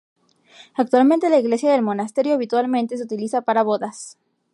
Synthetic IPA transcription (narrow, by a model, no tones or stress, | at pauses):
ak̚t̪walmẽ̞nt̪e̞laiɣle̞sjaðe̞lmo̞nast̪e̞ɾjoaβit̪walment̪e̞s̬eut̪ilisapaɾaβo̞ðas